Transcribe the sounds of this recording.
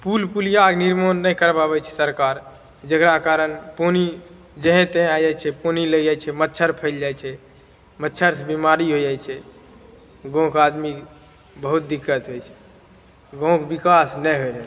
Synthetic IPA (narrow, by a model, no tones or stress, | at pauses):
pulpulijaɡniɾmonːəjkəɾbaβɛt͡ʃʰɛ̥səɾkaɾ | d͡ʒəkɾakaɾənponi | d͡ʒəɦɛ̃t̪ẽad͡ʒajt͡ʃʰɛponiləd͡ʒat͡ʃʰɛmətːʃʰəɾpʰəɪld͡ʒajt͡ʃʰɛ | mətːʃʰəɾsebimaɾiɦod͡ʒajt͡ʃʰɛ | ɡõkad̪mi | bəɦut̪̚d̪ikːət̪ɦojt͡ʃʰɛ̥ | ɡõkbikasnɛɦod͡ʒɛ